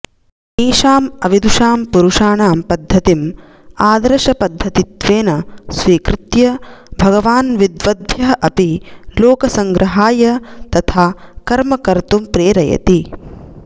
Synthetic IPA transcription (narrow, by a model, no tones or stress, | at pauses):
eːʃaːmɐʋid̪uʃaːmpuɾuʂaːɳaːmpɐd̪ʱːɐt̪im | aːd̪ɐɾɐʃɐpɐd̪ʱːɐt̪it̪ʋeːnɐsʋiːkɾɪt̪jɐbʱɐɡɐʋaːnʋid̪ʋɐd̪̚bʱjɐɦɐʔɐpiloːkɐsɐŋɡɾʔɐɦaːjɐt̪ɐt̪ʰaːkɐɾmɐkɐɾt̪umpɾeːɾɐjɐ̰t̪i